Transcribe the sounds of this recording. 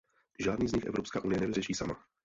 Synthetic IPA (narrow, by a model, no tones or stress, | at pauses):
ʒaːdniːzɲɪxʔɛ̰vɾo̞pska̰ːʔunɪjɛnɛvɪrɛʃiːsama